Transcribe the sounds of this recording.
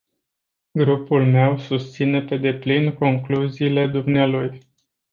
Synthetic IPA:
ɡɾupulme̞wsust̪sine̞pe̞d̪e̞plinko̞ŋkluziːle̞d̪umnealuj

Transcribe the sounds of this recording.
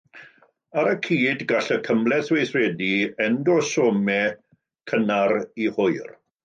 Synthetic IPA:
aɾəkʰiːdɡaɬəkʰəmlˠɛθwejθrɛdiɛndɔsɔːmɛ | kʰənaɾihʊɨr

